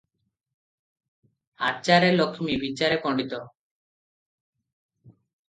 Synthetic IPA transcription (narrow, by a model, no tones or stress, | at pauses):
at͡ʃaɾelokʰimibit͡ʃaɾepɔɳɖit̪ɔ